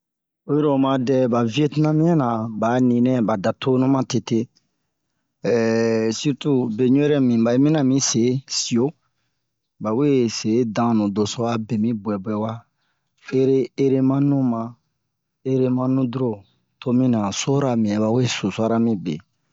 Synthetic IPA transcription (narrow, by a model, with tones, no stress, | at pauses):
o˦o˦ɾo˨mã˨dɛ˦ba˨vi˦e˦ti˦nã˦mĩ˦ɛ˦nã˨ba˨nĩ˨nɛ̃˦ba˨da˨tʰo˦nũ˦mã˦te˨te˦˨ | si˦ɾtu˦be˨ɲũ˦ɾɛ˦mĩ˨ba˨e˦mĩ˦nã˨mĩ˦se˨˦si˨o˦ | ba˨we˦se˨˦dã˨˦nũ˨do˨so˦a˦be˨mĩ˦bwɛ˨bwɛ˨wa˦ | e˦ɾe˦e˦ɾe˦mã˦nũ˦mã˨ | e˦ɾe˦mã˦nũ˦du˦ɾo˦ | tʰo˦mĩ˦nã˨so˦ɾa˨mĩ˨ɛ˨ba˨we˦su˨sa˦ɾa˦mĩ˦bḛ˨